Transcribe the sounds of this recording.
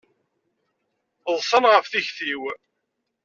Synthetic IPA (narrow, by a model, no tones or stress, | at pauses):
ðˤsˤənʁəfθiçθiw